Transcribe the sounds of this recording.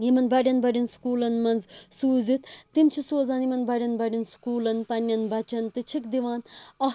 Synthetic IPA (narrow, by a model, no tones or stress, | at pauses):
jimɐnbɐɖɐnbɐɖinskuːlɐnmɐnzsuːzit̪ːimt͡ʃʰisoːzaːnimɐnbɐɖʲɐnbɐɖinskuːlɐnpɐnʲːɐnbɐt͡ʃɐnt̪ɨt͡ʃʰikd̪iʋaːnɐ